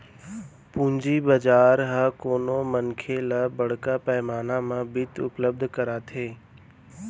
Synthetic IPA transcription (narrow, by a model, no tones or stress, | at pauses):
pũːɲd͡ʑiːbəd͡ʒaːɾɦakoːnomənkʰeləbɐɽ̤kapɛːmaːnãmãbɪt̪ʊ̰pləb̚d̪ʱkəɾaːt̪ʰeː